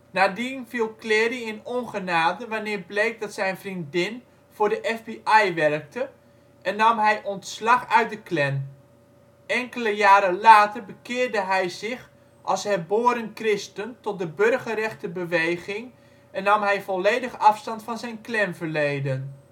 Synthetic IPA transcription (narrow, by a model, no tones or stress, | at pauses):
naːdinvilˠklɪːriɪnɔnχənaːdəʋanɪːrblejk̚dɑtsɛjnvrindɪn | v̥ʊːɹdəʔɛfbiʔɛjʋɛrk̚tə | ʔɛnːɑmɦɛjʔɔntslɑχœɥt̚dəklɛn | ɛŋkələjaːɾəlaːtərbəkɪːrdəɦɛjzɪχ | ʔɑlˠshɛrboːəɾənkrɪstəntɔt̚dəbørχəɾɛχtəbəʋejɣɪŋ | ɛnːɑmɦɛjvɔleːdəχɑfstɑntfɑnzɛjnklɛnvərlejdən